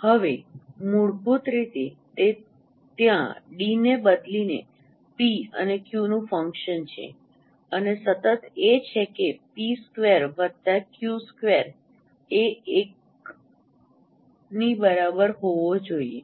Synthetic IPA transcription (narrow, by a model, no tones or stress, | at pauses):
həʋemuɭbut̪ɾit̪et̪e | t̪jã̰ɖinebəd̪linḛ | piə̰nekjunũfəŋkʃənt͡ʃʰḛ | ənesət̪ət̪et͡ʃʰekepiskʋeɾʋət̪akjuskʋeɾ | eek | nibəɾabəɾɦoʋod͡ʒoiḛ